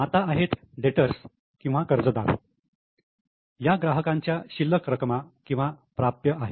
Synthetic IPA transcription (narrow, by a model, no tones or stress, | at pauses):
mat̪aaɦet̪ | ɖeʈəɾs | kĩw̃ʋakəɾd͡zəd̪a̰ɾ | jaɡɾaɦəkãɲt͡ɕjaɕilːəkɾəkmakĩw̃ʋapɾap̚t̪jəʔaɦe